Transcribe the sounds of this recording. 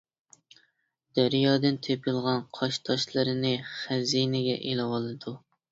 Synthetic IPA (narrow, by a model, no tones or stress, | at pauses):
d̪̥æɾijɑːd̪ɨnt̪ʰepʰɪlˠʁɑnqʰɑʃt̪ʰɑʃlˠɨɾɨnɨχæzinɪɡʲɛ̰ʔelɨwɑlˠɨd̪u